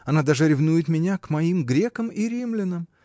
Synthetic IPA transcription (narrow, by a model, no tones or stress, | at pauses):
ɐnad̪aʐɨɾʲɪvnujɪt̪mʲɪnʲakmɐimɡɾʲe̞kəmiɾʲimlʲɪnəm